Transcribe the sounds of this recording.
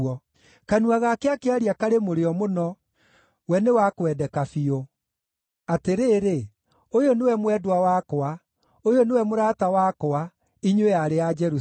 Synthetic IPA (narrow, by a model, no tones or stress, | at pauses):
ɔ | kanuaɣakeakeaɾiakaɾemoɾeɔmonɔ | wɛnewakwɛdɛkafio | ateɾeːɾe | ojonewɛmwɛdwawakoa | ojonewɛmoɾaːtawakoa | iɲwejaɾead͡ʒɛɾu